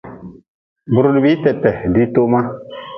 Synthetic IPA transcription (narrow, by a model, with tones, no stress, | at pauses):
bu˨ɾu˦di˨bi˦tɛ˨tːɛ˨di˦to˦ʔma˦